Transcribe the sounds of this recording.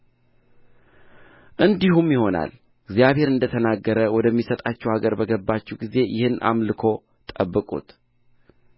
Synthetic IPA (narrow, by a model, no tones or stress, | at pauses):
ʔɨnd̪ihumjɪho̞na̰l | ɪɡzjaβhe̞ɾɨnd̪ət̪ʰənaɡːəɾəwɔd̪əmːisət̪ʼat͡ʃːɛwhaɡəɾbəɡəbːat͡ʃːɛwɡize̞jʔɪhɨnʔa̰mlɨkʰo̞ | t̪ʼəbːɨkʼṵt̪